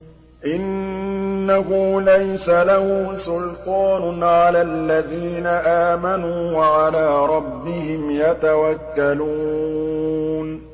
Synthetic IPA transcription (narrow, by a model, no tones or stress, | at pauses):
ʔɪnː | aɦʊːlajsalahʊːsʊlt̪ˤɑːnʊʕalalːaðiːnaʔaːmanuːwaʕalaːɾˤɑbːɪhɪmjat̪awakːaluː | n